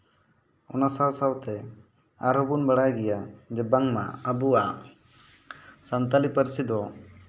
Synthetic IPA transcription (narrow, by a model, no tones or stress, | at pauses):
ɔ̰nasawsawt̪ɛ | aɾɦɔbunbəɽajɡɛjad͡ʒɛbaŋma̰əbua | sant̪alipəɾsid̪ɔ